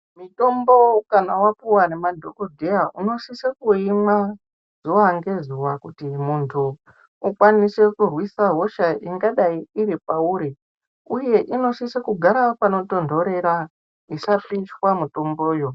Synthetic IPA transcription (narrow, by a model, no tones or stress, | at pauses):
mito̞mbo̞kanawapuwanemadʱokodʱejaʔuno̞sisekuima | z̥uwaŋɡe̞zuʋakutimuntʰu | ukwanise̞kurwisaɦo̞ʃaʔiŋɡaɗaiiɾipauɾi | uje̞ʔino̞sisekuɡʱaɾapano̞to̞ndʱo̞ɾe̞ɾa | isapiʃwamuto̞mbo̞ːjo